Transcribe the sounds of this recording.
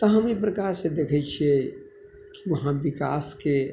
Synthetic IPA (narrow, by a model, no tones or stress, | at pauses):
t̪əɦəmipɾəkaɾsed̪ekʰɛt͡ʃʰie | kiʋəɦãbika̰ske